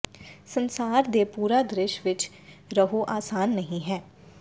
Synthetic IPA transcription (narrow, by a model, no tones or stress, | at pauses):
sənsaːɾd̪eːpuːɾaːd̪ɾɪʃʋɪt͡ʃ | ɾəɦoːʔaːsaːnːəɦĩːɦɛː